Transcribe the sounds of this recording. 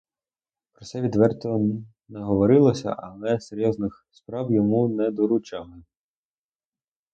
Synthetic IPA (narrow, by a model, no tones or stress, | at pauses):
pɾɔt̪sɛʋʲid̪ʋɛrt̪ɔ | nɛɦɔʋɔɾɪlˠɔsʲɐ̰ʔɐlˠɛseɾʲjɔznɪxspɾɑwjɔmunɛd̪ɔɾʊt͡ʃɑlˠɪ